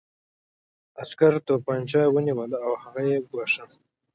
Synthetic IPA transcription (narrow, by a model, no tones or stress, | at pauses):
askaɾt̪opanʲt͡ʃɑjwəniwəlawhaɣajeɡwaʂə